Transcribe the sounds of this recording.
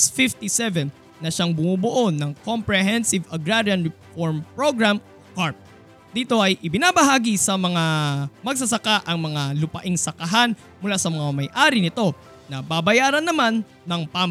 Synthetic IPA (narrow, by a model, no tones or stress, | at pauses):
sfɪft̪isɛvɛnː | ɐʃaŋbʊmubʊʔo̞nɐŋkompɹɛɦɛnsɪvɐɡɹaɾjɐnɹɪfoɹmpɹoɡɹam | kaɹp̚ | d̪iːt̪o̞ʔɐjʔɪbɪnabɐɦaːɡisɐmɐŋamɐɡ̚s̬ɐsɐkaʔɐŋmɐŋalʊpɐʔɪŋsɐkɐɦan | mʊlasɐmɐŋamɐjʔaːɾɪnɪt̪o̞ | nɐbabɐjaːɾɐnːɐmanːɐŋpam